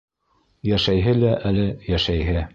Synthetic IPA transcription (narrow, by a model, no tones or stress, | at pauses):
jæʃæjɦɘlæʔælɘjæʃæjɦɘ